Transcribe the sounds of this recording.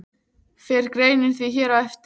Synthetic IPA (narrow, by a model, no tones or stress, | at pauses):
fɪɾkɾeːjnɪnθviçɛːɾawɛft̪